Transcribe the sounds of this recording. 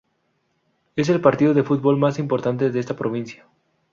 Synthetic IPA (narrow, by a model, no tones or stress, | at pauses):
e̞s̬e̞lpaɾt̪iðoðe̞fud̪̚βo̞lmasimpo̞ɾt̪ant̪e̞ðeest̪apɾoβ̞inθja